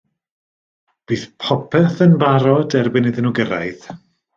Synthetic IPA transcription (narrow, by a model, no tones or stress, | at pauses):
b̥iːθpʰɔpʰɛθənvaɾɔdɛrbɪnɪðɪnuɡəɾa̰jð